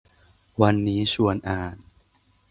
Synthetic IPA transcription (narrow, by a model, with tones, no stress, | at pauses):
wa˧nːiː˦˥sʰu˧ənʔaː˨˩n